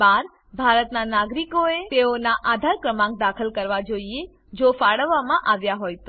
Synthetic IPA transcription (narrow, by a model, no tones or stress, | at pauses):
baɾ | bʱaɾət̪nanaɡɾikoet̪eonaʔad̪ʱaɾkɾəmãŋk̚d̪akʰəlkəɾʋad͡ʒoie | d͡ʒofaɽəʋːamãʔaʋjaɦojt̪o